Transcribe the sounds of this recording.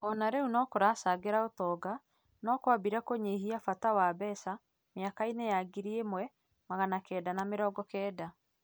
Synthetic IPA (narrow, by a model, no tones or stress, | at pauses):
ɔnaɾɛunɔkoɾasaɡeɾaotɔɡa | nɔkwabiɾakoɲeɦiafatawabɛːsa | meakainejaɡiɾiemwɛ | maɣanakɛːdanameɾɔːɡɔkɛːda